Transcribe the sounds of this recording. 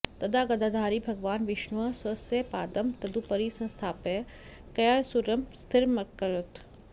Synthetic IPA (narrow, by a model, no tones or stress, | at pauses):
t̪ɐd̪ʱaɡɐd̪ʱad̪ʱaːɾibʱɐɡʋaːnʋɪʃnuɐsɐsəpa̰ːd̪ɐmt̪ɐd̪upɐɾisɐ̃st̪ʰaːpe | kɐjaɾsuɾɐmst̪ʰɪɾmɐkːɐɾət̪ʰ